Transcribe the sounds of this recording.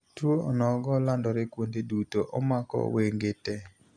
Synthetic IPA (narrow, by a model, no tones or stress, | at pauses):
twoɔnɔɡɔlandɔɾɪkwondedutoʔɔmakɔ̰weŋɡetɛ